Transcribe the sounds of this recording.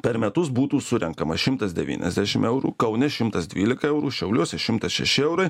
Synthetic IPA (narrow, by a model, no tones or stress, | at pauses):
pʲɛɾmʲɛt̪ʊs̬buːt̪uːsʊɾʲɛŋkɐmɐʃʲɪmt̪ɐsd̪ʲɛʋʲḭːnʲɛ̰zʲd̪ʲæːʃʲɪmɛʊɾṵːkɐʊnʲɛʃʲɪmt̪ɐsd̪ʲʋʲiːlʲɪkɐɛʊɾuːʃʲɛʊlʲuɔsʲɛʃʲɪmt̪ɐsʃʲɛ̰ʃʲɪɛʊɾɐɪ